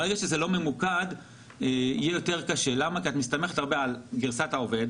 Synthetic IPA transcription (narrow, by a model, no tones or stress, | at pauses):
ʁeɡaʃezelo̞me̞mukad | eijɛjo̞teʁ̞kaʃelamakiat̪mist̪ameχet̪aʁbealɡiʁsatao̞ve̞d